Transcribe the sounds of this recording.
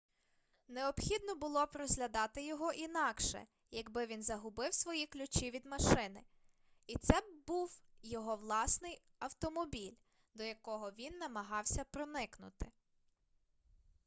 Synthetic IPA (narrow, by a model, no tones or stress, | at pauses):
neɔpxʲid̪nɔbʊlˠɔpɾɔzʲɦlʲɐd̪ɑt̪ɪjɔɦɔʔinɑkʃɛ̰ | jɐɡbɪʋʲinzɐɦʊbɪwsʋɔjiklʲʊt͡ʃiʋʲid̪mɐʃɪnɪ | it̪sɛbuwjɔɦɔʋlˠɑsnɪj | ɐwt̪ɔmɔbʲilʲ | d̪ɔjɐkɔɦɔʋʲinːɐmɐɦɑwsʲɐpɾɔnɪknʊ̰t̪ɪ